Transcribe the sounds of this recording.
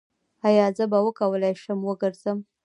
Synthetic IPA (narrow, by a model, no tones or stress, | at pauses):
ajɑzəbawəkawəlajʃəmwəɡəɾz̥əm